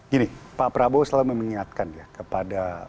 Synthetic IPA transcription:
ɡinipapɾabosalaməməŋiŋat̪̚kanjakəpada

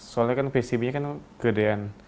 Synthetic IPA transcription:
solakanfesibɲakanɡədean

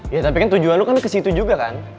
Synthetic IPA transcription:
jat̪apikant̪ud͡ʒuanlokankəsit̪ud͡ʒuɡaka̰n

